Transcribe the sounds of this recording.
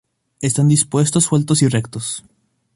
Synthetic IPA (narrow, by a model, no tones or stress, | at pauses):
est̪and̪ispwe̞st̪osːwelt̪osirekt̪os